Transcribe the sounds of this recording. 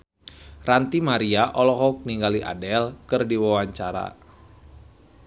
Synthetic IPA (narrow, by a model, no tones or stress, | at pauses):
rant̪imaɾiaʔɔlɔɦɔk̚niŋɡaliʔa̰dɛlkɨrdiwawaɲt͡ʃaɾa̰